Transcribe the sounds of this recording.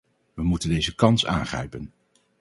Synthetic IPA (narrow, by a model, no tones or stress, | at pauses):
ʋəmutəndejzəkɑnsa̰ːŋχrɛ̰jpən